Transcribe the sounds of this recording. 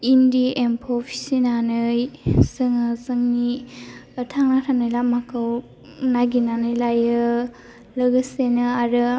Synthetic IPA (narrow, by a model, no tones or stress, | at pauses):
indiempʰopʰi̥sinanɯjsɯŋɯzɯŋniətʰaŋnatʰanajlamakʰaw | naɡinanɯjlajɯ | lɯɡɯsenɯaɾɯ